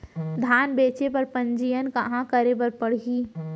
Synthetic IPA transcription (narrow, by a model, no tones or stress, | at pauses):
d̪ʱaːnbeːt͡ʃepɐɾpə̃ɲd͡ʒijənkɐɦãkəɾebɐɾpəɽ̤iː